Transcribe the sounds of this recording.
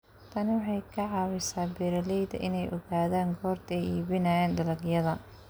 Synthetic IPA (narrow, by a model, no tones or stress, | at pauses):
t̪ʰɐnɪwɑħɑjkʰɐʕɑːwɪsaːbɛɾɐlɛjd̪ɐ̰ʔɪ̰nɛjʔɔɣaːðaːŋɡɔːrt̪ʰɛjiːβɪnaːjɛːnd̪ɐlɐɡjɐðɐ